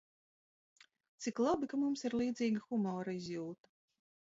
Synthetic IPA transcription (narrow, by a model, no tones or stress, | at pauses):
t̪siklˠabikamumsiɾlˠiːd̪ziːɡɐxumɔːɾaizjuːt̪ɐ̥